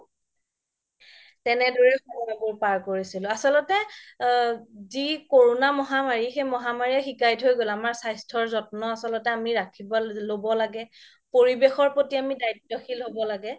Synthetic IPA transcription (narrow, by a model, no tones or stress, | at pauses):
tɛnɛdɔɹɛxɔmɔaboɹpaɹkoɹisilʊasɔlɔtɛ | zikoɹonamɔɦamaɹixemɔɦamaɹiɛxikajtɦojɡolamaɹsajstʰɔɹzɔtnɔasɔlɔtɛamiɹakʰibɔlobɔlaɡɛ | poɹibexɔɹpotiamidajtːɔxʰilɦobɔlaɡɛ